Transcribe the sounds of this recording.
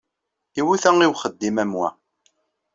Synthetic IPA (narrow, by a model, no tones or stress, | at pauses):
iwiθæŋiwχəd̪ːimæmwæ̰